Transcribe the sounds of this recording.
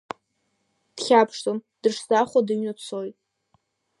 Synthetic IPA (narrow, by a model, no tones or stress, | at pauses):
d̥χʲapʰʂtʰomd̥ɨʂzaχʷadɨɥnat͡sʰojtʼ